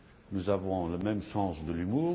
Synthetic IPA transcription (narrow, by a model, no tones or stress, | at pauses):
nuzavɔ̃ləmɛmsɑ̃sd̪əlymuːʁ